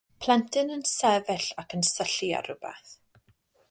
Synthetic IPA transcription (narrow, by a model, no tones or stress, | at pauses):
pʰl̥ˠɛntʰɨnənsɛvɪɬakənsəɬia̰ɾʊbɛ̰θ